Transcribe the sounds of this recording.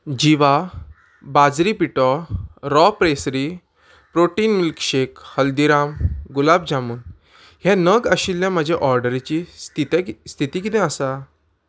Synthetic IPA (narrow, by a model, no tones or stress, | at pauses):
d͡ʑiʋa | bad͡zɾipiʈɔɾɔpɾesɾi | pɾoʈiːnmilkɕekhəld̪iɾamɡulabd͡ʑamuːn | hɛ̃nəɡəɕilːãm̤əd͡ʑʱaʔɔɾɖəɾet͡ɕiit̪st̪ʰit̪ikit̪ɛ̃əsa